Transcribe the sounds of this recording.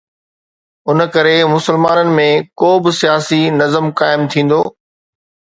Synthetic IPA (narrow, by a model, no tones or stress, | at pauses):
ʊn̆kɐɾemʊsəlmaːnənɪ̆mẽkoːbɪsijaːsinɐzəmkaːɪmt̪ʰĩːn̆d̪oː